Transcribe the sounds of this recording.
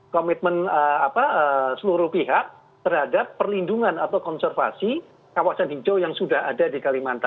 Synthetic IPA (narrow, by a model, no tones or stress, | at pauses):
kɔmit̪̚mənəapaəsəluɾuhpiɦak̚ | t̪ərɦadapːərlinduŋanat̪awkɔnsɛrfa̰si | kawasanɦid͡ʒojaŋsudaha̰dadikalimant̪a